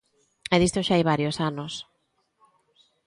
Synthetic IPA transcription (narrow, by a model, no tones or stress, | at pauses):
ɛðist̪oʃaajβ̞aɾjosanos